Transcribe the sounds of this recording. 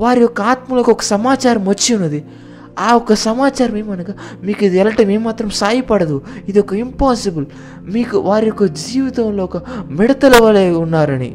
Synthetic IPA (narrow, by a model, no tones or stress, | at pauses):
ʋaːɾiɔkːɐaːt̪mɐlɐkːɔkːɐ̥sɐmaːt͡ʃaːɾɐmʋɐt͡ʃːiunːɐd̪i | aːɔkːɐsɐmaːt͡ʃaːɾɐmeːmɐnɐkɐmiːkid̪iɛlɐʈːɐmeːmːaːt̪ɾɐmsaːjipɐɽɐd̪uid̪iɔkːɐimpaːsibɐl | miːkuʋaːɾiɔkːɐd͡ʒiːʋit̪ɐuloːɔkɐmɛɽɐt̪ɐlɐʋɐleːunːaːɾɐnḭ